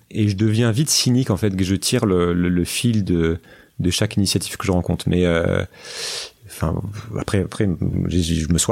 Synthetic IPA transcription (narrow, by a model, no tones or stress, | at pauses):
eʒəd̪əvjɛ̃vit̪sinikɑ̃fɛt̪ʒət̪ʰiʁlələləfild̪ə | d̪əʃakinisjat̪iv̥kəʒəʁɑ̃kɔ̃t̪χmʔɛø̰ | ɑ̃fɛ̰̃a̰pχɛapχɛʒeʒʒəməswa